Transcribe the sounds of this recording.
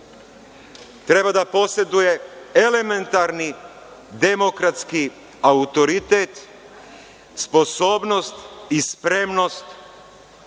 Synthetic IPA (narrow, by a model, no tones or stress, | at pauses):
t̪ɾe̞bad̪apo̞sje̞d̪uje̞element̪aɾni | d̪emo̞kɾat̪ski | aut̪o̞ɾit̪et̪ | spo̞soːbno̞st̪ispɾe̞mno̞st̪